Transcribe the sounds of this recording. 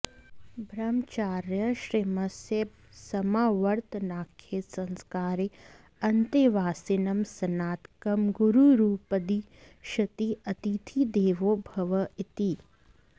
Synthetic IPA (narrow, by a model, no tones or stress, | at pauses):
bʱɾɐmt͡ʃaːɾjəʃɾimɐsjeb̚ | sɐmaːʋɐɾt̪naːkʰːeːsɐ̃nskaːɾe | ɐnt̪eʋaːsinɐmsɐnaːt̪kɐmɡuɾuɾuːpɐd̪i | ʃɐt̪iɐt̪it̪ʰid̪eːʋoːbʱɐʋɐit̪i